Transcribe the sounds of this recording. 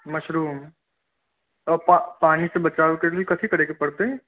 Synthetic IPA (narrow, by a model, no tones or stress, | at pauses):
mɐʃɾuːm | ɔːɾpapaːnisebɐt͡ʃaːʋekekikɐsʰikɐɽeːkepɐɽt̪eɦɛ̃ː